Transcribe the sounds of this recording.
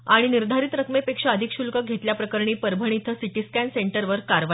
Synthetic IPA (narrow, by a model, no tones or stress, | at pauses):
aɽ̃iniɾd̪ʱaɾiːt̪ɾəkmepekʂəəd̪ʱikɕulkəɡʱet̪ljapɾəkəɾɳiːpəɾbʱəɳ̃it̪ʰəsiʈiskænseɳʈəɾʋəɾkaɾʋa